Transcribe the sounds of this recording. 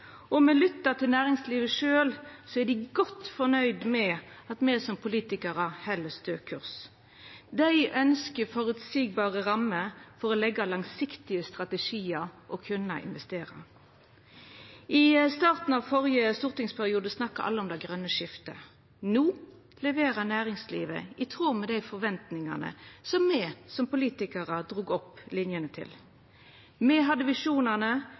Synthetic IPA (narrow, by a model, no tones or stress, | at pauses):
ɔmɛlʏt̪ːət̪ʰɪlnæːʁɪŋsliːʋəʂøːlsɔæd̪ɪɡɔt̪fɔnœʏd̪mɛɑt̪mɛsɔmpʰʊliːt̪ɪkɑʁəhɛlːəst̪øːkʰʉʁs | d̪æɪʔœnskəfɔʁʉd̪siːɡ̚bɑːʁəʁɑmːəfɔʁɔlɛɡːɑlɑŋsɪkt̪ɪəst̪ʁɑt̪ɛʂiːəɾʔɔkʰʉnːəɪ̰nʋɛst̪eːʁə̰ | ʔɪst̪ɑːʁt̪n̩ɑʋfɔʁjəst̪uːʁt̪ɪŋspʰæʁɪuːd̪əsnɑkːɑʔɑ̰ləɔmd̪æɪɡʁœnːəʂɪft̪ə̰ | nuː | lɛʋeːʁənæːʁɪŋslḭːʋə̰ʔɪt̪ʰʁuːmɛd̪æɪfɔʁʋɛnt̪nɪŋɑ̰ʁnə̰sɔmːɛsɔmpʊliːt̪ɪkəʁəd̪ʁuːɡɔpːlɪnjənət̪ʰɪ̰l | mɛɦɑd̪əʋɪʂuːnənə